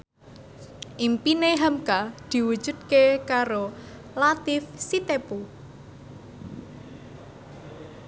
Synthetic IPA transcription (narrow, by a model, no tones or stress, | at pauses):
ʔimpineɦamkad̪̥i̤wu̥ʒ̥ṳd̪̚kekaɾo | lat̪ɪfsit̪epu